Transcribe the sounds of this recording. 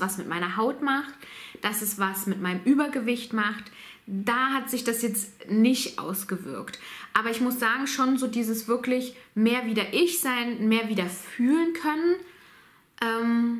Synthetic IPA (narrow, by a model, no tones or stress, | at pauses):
v̥asmɪtmaɪnɐɦaʊtmaχtd̥asɛsv̥asmɪtmaɪnəmʔyːbɐɡəvɪçtmaχt | d̥aːɦatz̥ɪçd̥asjɛt͡stnɪçtʔa̰ʊsɡ̥əvɪ̰ɐktʔaːbɐɪçmʊsz̥aːɡŋ̩ʃoːnzoːdiːzəsv̥ɪɐklɪçmeːɐviːdɐʔɪçz̥aɪnmeːɐviːdɐfyːlənkʰœnən | ʔɛːm